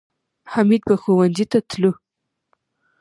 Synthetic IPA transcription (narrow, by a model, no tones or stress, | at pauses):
hamid̪̚baxowanzit̪at̪lu